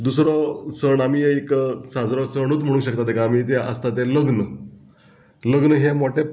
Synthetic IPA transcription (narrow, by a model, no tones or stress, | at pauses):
d̪usɾɔsəɳamiːeksad͡zɾɔsəɽ̃uːt͡sm̤əɽ̃ũkɕəkt̪at̪ɛkaːmiːt̪eə̰st̪at̪eləɡnə | ləɡnəɦemɔʈe